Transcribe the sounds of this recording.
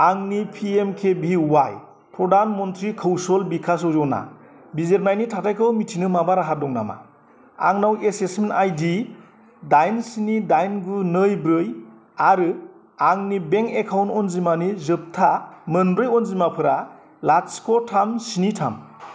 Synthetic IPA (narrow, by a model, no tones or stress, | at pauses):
aŋnipʰiemkʰebiwaj | pʰɾɔdanmɔntʰɾikʰɯwsɔlbikʰas̬ɔzɔna̰ | bizeɾmajnitʰatʰajkʰɯwmitʰinɯmabaɾaɦadɔŋna̰ma̰ | a̰ŋnawesesmenajdi | dajnsinidajnɡɯnɯjbɾɯj | aɾɯ | aŋnibeŋkekʰawntɔnzimanizɯp̚tʰamɯnbɾɯjɔnzimapʰɯɾa | laskʰɔtʰamsinitʰa̰m